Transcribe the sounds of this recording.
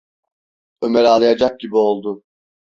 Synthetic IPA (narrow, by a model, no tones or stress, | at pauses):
ømɛɾalˠajad͡ʒak̚ɟibio̞lˠd̪ʊ